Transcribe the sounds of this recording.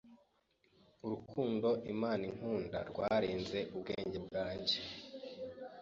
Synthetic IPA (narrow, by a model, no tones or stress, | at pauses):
uɾukʰuːndo̞ʔimaːniŋ̥huːnda̰ɾɡwaːɾiːnze̞ʔubɡe̞ːɲɟebɡaːɲɟe̞